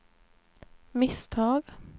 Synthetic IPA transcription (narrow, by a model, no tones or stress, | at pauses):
mɪst̪ʰɑːɡ